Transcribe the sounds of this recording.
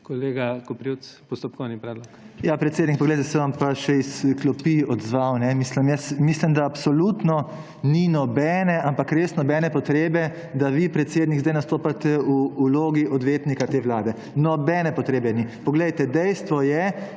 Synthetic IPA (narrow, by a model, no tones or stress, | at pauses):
koleɡakopɾjut̪spɔst̪ɔp̚kɔwnipɾɛːd̪lɔk | japɾɛt̪seːd̪nik̚pɔɡlejt̪ɛsɛʋampaʃɛisklɔpiɔd̪zʋawnɛmisləmjɛsmislimd̪aːpsɔlut̪nɔ | ninɔbɛːnɛʔampakɾesnɔbɛːnɛpɔt̪ɾeːbɛ | d̪aʋipɾɛt̪seːd̪niɡzd̪ajnast̪oːpat̪ɛuːloːɡiʔɔd̪ʋeːt̪nikat̪eːʋlaːd̪ɛ | nɔbɛːnɛpɔt̪ɾeːbɛnipɔɡlɛjt̪ɛd̪ɛjst̪ʋɔjɛ